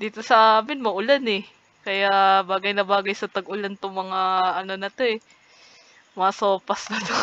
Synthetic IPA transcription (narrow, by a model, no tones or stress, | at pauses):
d̪iːt̪o̞sɐʔaːmɪnmɐʔʊlanɛ | kɐjaʔbaːɡɐjnɐbaːɡɐjsɐt̪ɐɡʔʊlant̪oŋmɐŋaɐno̞nɐt̪o̞ɛ | mɐasoːpɐsnɐt̪o